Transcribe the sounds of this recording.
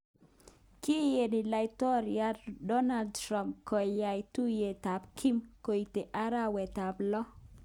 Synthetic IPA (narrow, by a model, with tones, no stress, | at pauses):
ki˦je˨nɪ˨la˨jtɔ˦ɾja˦dɔ˦na˦ldtɾa˦˨mpkɔ˨ja˨jtu˦je˨ta˨pkʰi˦mko˨i˨te˨ʔa˦ɾa˦wɛ˨ta˨blɔ˦